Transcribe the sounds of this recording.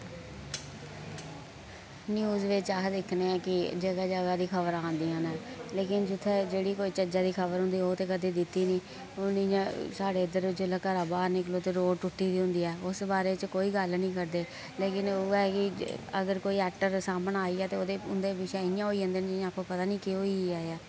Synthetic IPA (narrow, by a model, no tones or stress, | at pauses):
njuːzʋeːt͡ʃaːkd̪ɪkʰneːãːkɪd͡ʒəɡaːd͡ʒəɡaːd̪iːkʰəbəɾãːnd̪iːãːnɛːleːkɪnd͡ʒʊt̪ʰːɛd͡ʒeːɽiːkoːiːt͡ʃəd͡ʒaːd̪iːkʰəbəɾɦʊ̃nd̪iːoːt̪eːkəd̪eːd̪ɪt̪ːiːnĩː | oːniãsaːɖeːɪd̪əɾʋɪt͡ʃəlaːkəɾaːbaːɾnɪkloːt̪eːɾoːɽʈʊʈːiːd̪iːɦʊ̃nd̪iːɛːʊsbaːɾeːt͡ʃkoːiːɡəlnĩːkəɾd̪eː | leːkɪnoːɛːkɪəɡəɾkoːiːɛːk̚ʈəɾsaːmənaːiːɛːt̪eːoːd̪eːʊnd̪eːbɪʃɛːɪjãːɦoːiːɦə̃nd̪eːnd͡ʒɪjãːkːoːpət̪aːnĩːkɪɦoːiːaːeɛː